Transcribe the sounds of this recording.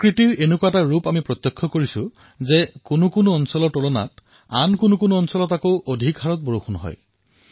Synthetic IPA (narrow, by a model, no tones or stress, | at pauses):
kɹitiɹenʊkuwataɹupamipɹɔt̪jɔkʰːɔkoɹisʊ | zɛkʊnʊkʊnʊɔnsɔlɔɹtolɔna̰t | a̰nkʊnʊkʊnuɔnsɔlɔtakoʊʔodʱikɦaɹɔt̚bɔɹoxʰɔnɦɔ̰j